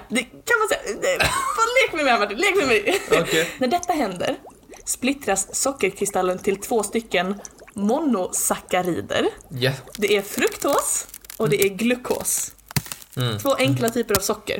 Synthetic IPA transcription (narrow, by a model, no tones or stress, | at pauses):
d̪ɛkʰanmansɛjaɛvɑleːkəmɛmɛæmaʈːiːnleːkmɛmɛj | næɖɛt̪ːaɦɛnd̪ə̰ɾ | splɪt̪ɾasːɔkːəɾkʰɾɪst̪alːənt̪ʰɪlt̪ʰvoːst̪ʏkːənmɔnːʊsakːaɾiːd̪ə̰ɾjd̪ɛʔæɾfɾɵkt̪hoːsɔd̪ɛæɾɡlɵkʰːo̰ːs | t̪ʰvoːʔɛŋklat̪ʰyːpəɾavsɔkːə̰ɾ